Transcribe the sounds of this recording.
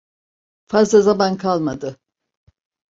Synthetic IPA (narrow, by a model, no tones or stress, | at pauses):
fazlˠazamankʰalˠmad̪ɯ